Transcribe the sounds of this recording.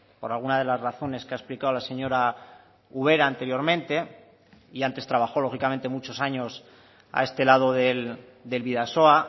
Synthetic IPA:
po̞ɾalɣunað̞e̞lazraθo̞ne̞skeaesplikaolase̞ɲo̞ɾa | uβ̞e̞ɾaːnt̪e̞ɾjo̞ɾmẽ̞nt̪e̞ | iant̪e̞st̪ɾaβ̞axo̞lo̞xikament̪e̞mut͡ʃo̞saɲo̞s | a̰e̞st̪e̞lað̞oðel | d̪e̞lβiðaso̞a

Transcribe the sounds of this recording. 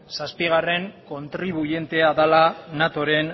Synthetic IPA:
saspiɣ̞are̞ŋko̞nt̪ɾiβ̞uʝe̞nt̪e̞aðalanat̪o̞ɾe̞n

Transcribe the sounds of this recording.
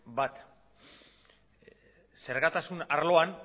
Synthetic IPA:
bat̪ | se̞ɾɣat̪asunaɾlo̞an

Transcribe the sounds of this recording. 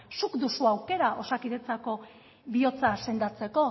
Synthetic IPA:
sukd̪usuawke̞ɾaʔo̞sakiðe̞t͡sako̞ | βio̞t͡sase̞nd̪at͡se̞ko̞

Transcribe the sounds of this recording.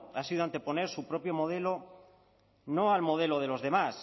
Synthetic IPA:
asiðoant̪e̞po̞neɾsupɾopjomoð̞elo | noalmo̞ð̞eloðelo̞zðe̞mas

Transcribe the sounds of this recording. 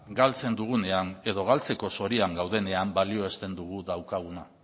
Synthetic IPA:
ɡalt͡se̞nd̪uɣ̞une̞ane̞ðo̞ɣalt͡se̞ko̞so̞ɾiaŋɡawð̞e̞ne̞ambalio̞est̪e̞nd̪uɣ̞uðawkaɣ̞una

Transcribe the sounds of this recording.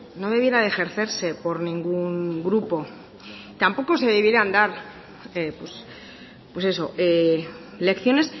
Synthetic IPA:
no̞ðe̞β̞je̞ɾaðexe̞ɾθe̞ɾse̞po̞ɾnĩŋɡuŋɡɾupo̞ | t̪ampo̞ko̞se̞ðeβjeɾand̪aɾ | epwes | pwese̞so̞ʔe | le̞kθjo̞ne̞s

